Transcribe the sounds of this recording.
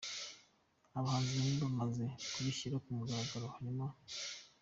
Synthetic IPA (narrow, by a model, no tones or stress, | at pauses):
aβahaːnziβahimbamazekuβiʃiɾakumuɡaβaɡaɾohaɲuma